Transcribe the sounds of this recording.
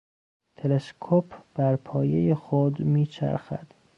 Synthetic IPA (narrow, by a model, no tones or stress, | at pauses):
t̪ʰeleskʰopʰb̥æɾpʰɒːjejexod̪miːt͡ʃʰæ̰ɾxæ̰d̪̥